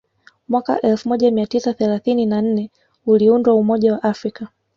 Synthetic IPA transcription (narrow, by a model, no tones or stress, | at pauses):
mwaka̰ʔɛlfumɔʄamiatisaθɛlaθininan̩nɛ | uliundwaumɔʄawaʔafɾika